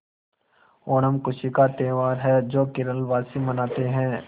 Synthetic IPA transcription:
oːnəmkʊʃikat̪eːʋaːɾɦɛːd͡ʒoːkɪɾəlʋaːsimɐnaːt̪eɦɛ̃ː

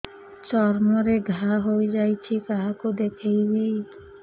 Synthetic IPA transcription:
t͡ɕɔɾmoɾeɡʱaɦojd͡ʑajt͡ɕʰikaɦakod̪ekʰejbi

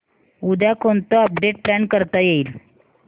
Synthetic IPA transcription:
ud̪ʱjakont̪əəp̚ɖeʈ̚plaɳkəɾt̪ajeiːl

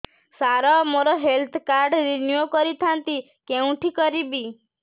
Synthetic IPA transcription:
saɾɔmoɾɔɦelt̪ʰkaɾɖɾinjokɔɾit̪ʰant̪i | keũʈʰikɔɾibi

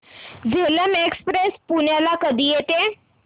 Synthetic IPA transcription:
d͡zeləmekspɾespuɳjalakəd̪ʱiːjet̪e

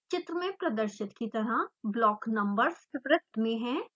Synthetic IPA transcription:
t͡ʃɪt̪ɾəmẽpɾɐd̪əɾʃɪt̪kit̪ɐɾablɔːknɐ̃mbəɾsɪbɾɪt̪mẽɦɛ̃ː

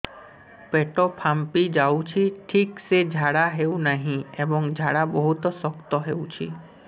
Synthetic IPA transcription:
peʈɔpʰampid͡ʑawt͡ɕʰiʈʰiksed͡ʑʱaɽaɦewnaɦĩebɔŋd͡ʑʱaɽabɔɦut̪ɔsɔkt̪ɔɦewt͡ɕʰi

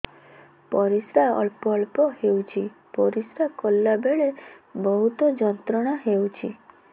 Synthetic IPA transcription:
pɔɾisɾaɔɭpɔɭpɔhewt͡ʃʰipɔɾisɾakɔlːabeɭebɔɦut̪ɔd͡ʒɔnt̪ɾɔɽ̃aɦewt͡ʃʰi

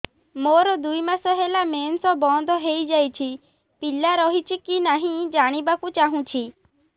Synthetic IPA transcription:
moɾɔd̪uimãsɔɦelameːnsɔ̃bɔ̃nd̪ʱɔɦeid͡ʒajt͡ʃʰi | pilaɾɔɦit͡ʃʰikinaɦĩd͡ʒaːɽ̃ibakũt͡ʃaɦũt͡ʃʰi

